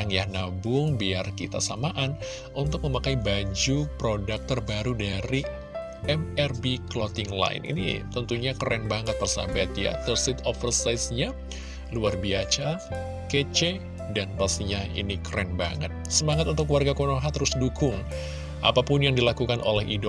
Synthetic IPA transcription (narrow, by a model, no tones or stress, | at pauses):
ŋjahnabʊŋbiarkit̪a̰samaʔan | unt̪ʊk̚məmakaibad͡ʒupɾodak̚t̪ərbaɾudaɾi | ɛmɛrbiklɔt̪ɪŋla̰ɪ̰nḭnḭt̪ənt̪uɲakəɾɛnbaŋət̪̚bərsa̰bat̪ja̰t̪ərsɪt̪ɔfərsajsɲa | luarbiat͡ʃa | ket͡ʃe | danpast̪iɲaḭnikəɾɛnba̰ŋət̪̚səmaŋat̪unt̪ʊkluwarɡakonoɦat̪əɾʊsdukʊŋ | ʔa̰papʊnjaŋdilakukanʔo̰lɛɦidɔ